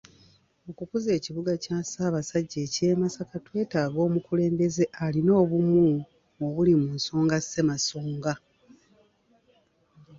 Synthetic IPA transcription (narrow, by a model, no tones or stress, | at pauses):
o̞kukuze̞ːciβuɡacaːsaːβasaɟːe̞ːce̞ːmasakatwe̞ːtaːɡo̞ːmukule̞ːmbe̞ze̞ʔalino̞ːβumu | oβulimunso̞ːŋɡase̞masoːŋɡa